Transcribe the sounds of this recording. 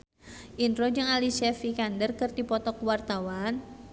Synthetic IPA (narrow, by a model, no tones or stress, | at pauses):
ʔinɾod͡ʒɨŋalisɛfikandərkɨrt̪ipɔt̪ɔkwart̪awan